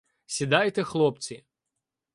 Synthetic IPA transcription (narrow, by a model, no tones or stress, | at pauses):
sʲid̪ɑjt̪ɛxlˠɔpt͡sʲi